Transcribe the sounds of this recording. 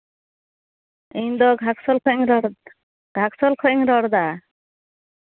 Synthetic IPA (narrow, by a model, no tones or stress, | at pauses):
ind̪ɔɡʱaksɔlkʰɔŋɾɔɾ | ɡ̥ʱaksɔlkʰɔiŋɾɔɾd̪a